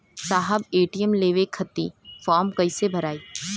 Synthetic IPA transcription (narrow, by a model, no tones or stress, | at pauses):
saːɦəbeːʈiəmleːʋekʰːɐt̪ːifɔːɾmkɐisebʱɐɾaːiː